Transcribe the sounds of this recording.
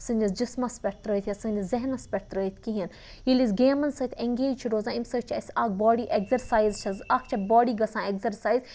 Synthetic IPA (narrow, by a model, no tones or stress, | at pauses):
sɨnʲd͡ʒɐsd͡ʒismɐspʲɐʈ̚t̪ɾəit̪ʰʲjɐsɨnʲd͡ʒɐzeɦnɐspʲɐʈ̚t̪ɾəːit̪ʰkiɦɐn | ilizɡeːmɐnsəːt̪ʰeŋɡeːd͡ʒt͡ʃʰiɾoːzãːimsəːt͡ʃʰɐsʲaːɡ̚bɔːɽiʔeɡzɐɾsaːjzt͡ʃʰɐzɐkʰt͡ʃʰɐbɔːɽiːɡɐsãːeɡzɐɾsaːjz